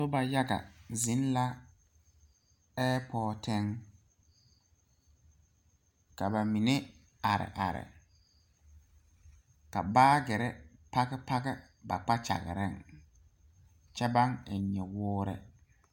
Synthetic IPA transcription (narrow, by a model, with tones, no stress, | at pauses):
so˦ba˨ja˦ɡa̰˨zi˨˦n˦la˦ | ɛː˦pʰɔː˦tʰɛ˦ŋ | ka˨ba˨mi˨ne˦ | a˨ɾɪ̰˨ʔa˨ɾɪ̰˨ | ka̰˨baː˦ɡɛ˨ɾɛ˦pa˦ɡɛ˦pa˦ɡɛ˦ | ba̰˨k͡pa˦t͡ʃa̰˨ɣɪ̰˨ɾɪ˦˨ŋ | t͡ʃɛ˦ba˦ŋe˨ɲɛ˨wʊː˦ɾɛ̰˦